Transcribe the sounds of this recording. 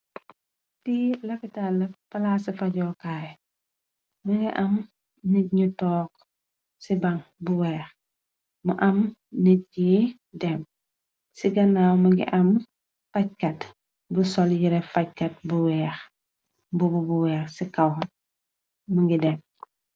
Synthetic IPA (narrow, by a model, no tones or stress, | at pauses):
tilɐfitalːɐpɐlasifɐɟɔːkaːj | mɐŋɡiʔɐm | niɲutɔːk | sibɐŋbuwɛːx | mɐʔɐmnit̚ːi | dɛm | siɡɐnawmɐɡḭʔɐm | fɐc̚kɐt | busɔljiɾɛfɐc̚kɐt̚buwɛːx | bububuwɛːxsikɐw | məŋɡidɛm